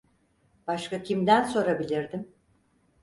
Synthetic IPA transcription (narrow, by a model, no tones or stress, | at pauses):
b̥aʃkacʰimd̪ænso̞ɾabilʲiɾd̪im